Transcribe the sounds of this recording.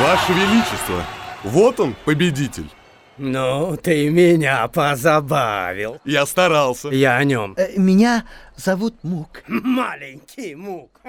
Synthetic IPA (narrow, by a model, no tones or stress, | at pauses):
vaʂəvʲɪlʲit͡ɕɪst̪və̰vo̞t̪onpəbʲɪdʲitʲɪ̰lʲ | nut̪ɨmʲɪnʲapəzabavʲɪ̰lˠjast̪ɐɾalˠsʲəjaɐnʲo̞mmʲɪnʲazɐvut̪̚mukmalʲɪnʲkʲʰɪjmuk